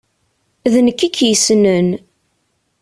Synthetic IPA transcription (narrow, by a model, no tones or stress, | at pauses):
ðnəkːikʰːjəsnən